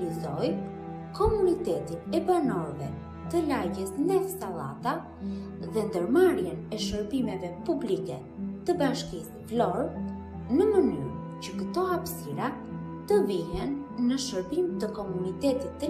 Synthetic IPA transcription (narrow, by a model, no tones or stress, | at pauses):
izɔj | kɔmunit̪ɛt̪inɛbanɔɾvɛ | t̪əlaɟɛsnɛɛfst̪alˠa̰t̪a | ðɛnd̪əɾmaɾjɛnɛʃəɾbimɛvɛpublikɛ | t̪əbaʃkis | vlɔɾ | nəmənyɾ | cəkət̪ɔapsiɾat̪əviɦɛnːəʃəɾbimt̪əkɔmunit̪ɛt̪it̪ːə